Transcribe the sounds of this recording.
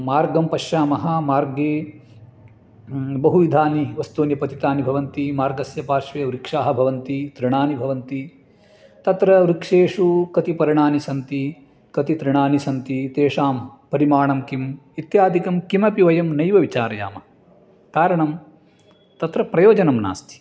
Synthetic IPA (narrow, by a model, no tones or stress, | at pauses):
maːɾɡɐmpɐʃjaːmɐɦɐmaːɾɡeː | bɐɦuʋid̪ʱaːniʋɐst̪oːnjɐpɐt̪it̪aːnibʱɐʋɐnt̪imaːɾɡɐsjɐpaːɾʂʋeːʋɾikʂaːɦɐbʱɐʋɐnt̪it̪ɾɪɳaːnibʱɐʋɐnt̪i | t̪ɐt̪ɾɐɾikʂeːʂukɐt̪ipɐɾiɳaːnisɐnt̪i | kɐt̪it̪ɾɪɳaːnisɐnt̪it̪eːʂaːmpɐɾimaːɳɐmkimit̪jaːd̪ʱikɐmkimɐpiʋɐjɐmnɐjʋɐʋit͡ʃaːɾɐja̰ːmɐ | kaːɾɐɳɐm | t̪ɐt̪ɾɐpɾɐjoːd͡ʒɐnɐmna̰ːst̪ʰi̥